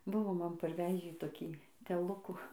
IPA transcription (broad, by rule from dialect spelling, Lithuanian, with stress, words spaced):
ˈbʊʋoː ˈmɐn pɐrʲˈʋʲæːʒʲiː toːˈkʲiː tʲɛˈlˠʊkuː